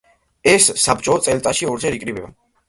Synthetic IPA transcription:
ɛsːapt͡ʃʼɔt̪sʼɛlt̪ʼaʃiɔɾd͡ʒɛɾikʼɾibɛba̰

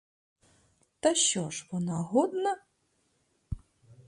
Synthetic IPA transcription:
t̪ɐɕːɔʂvɔnaɣɔd̪nɐ

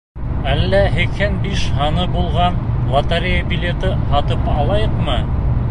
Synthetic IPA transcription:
ælːæɦɘ̆khɘnbiʃhɑnɤbulˠʁɑnlˠɑt̪aɾʲejabʲilʲet̪ɘhɑt̪ɤpɑlˠɑjɤqmɤ

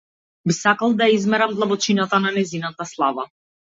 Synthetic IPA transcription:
bisakalˠd̪ajaizmɛɾamd̪lˠabɔt͡ʃinat̪ananɛzinat̪aslˠava

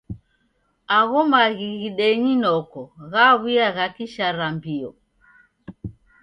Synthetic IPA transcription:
aɣɔmaɣiɣiɗɛɲinɔkɔɣaβiaɣakiʃaɾambiɔ

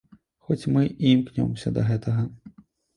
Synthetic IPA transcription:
xɔt͡sʲmɨʔimknʲɔ̰msʲɐ̰d̪ɐɣɛt̪ʰɐɣɐ

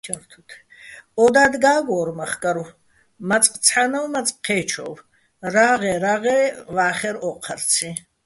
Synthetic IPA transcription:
t͡ʃʰaɾt̪ʰut̪ʰɔd̪aːd̪ɡaːɡɔːɾmaχkʼaɾu | mat͡sʼqʼt͡sʰħanawmat͡sʼqʰːɛːt͡ʃʰɔ̰v | ɾaːʁɛɾaʁɛːvaːχɛɾɔqʰaɾt͡sʰi

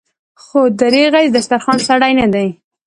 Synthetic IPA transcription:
xod̪aɾeɣajd̪aʃt̪aɾxɑnsaɽajnad̪aj

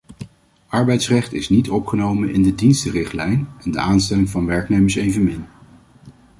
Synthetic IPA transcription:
ʔɑɹbɛjtsrɛχtɪsnitɔpχənowmənʔɪndədinstərɪχtlɛjnɛndə̰aːnstɛlɪŋvɑnʋɛɹknejməɹsejvənmɪn

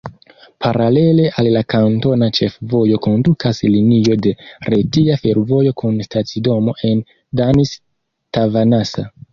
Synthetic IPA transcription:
pʰaɾale̞le̞ʔallakanto̞nat͡ʃe̞fvo̞jo̞ko̞ndukaslinio̞de̞ɾetiafe̞ɾvo̞jo̞kunstat͡sido̞mo̞ʔe̞n | danis | tavanasa

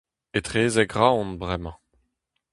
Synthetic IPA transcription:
et̪χeːzɛɡʁaɔ̃nbʁɛmɑ̃

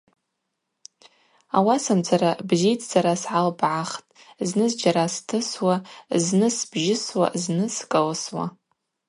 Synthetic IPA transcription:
awasamd͡zʰʼaɾabzijtʰʼzaɾasʕalbʕaχtʼznɨzd͡ʒaɾastʰɨswaznɨsbʒɪswa̰znɨskʼalswa̰

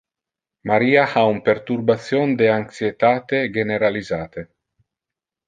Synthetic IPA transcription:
maɾiːahaumpeɾt̪uɾbat̪sjond̪eaŋksjet̪aːt̪eɡeneɾalizaːt̪e

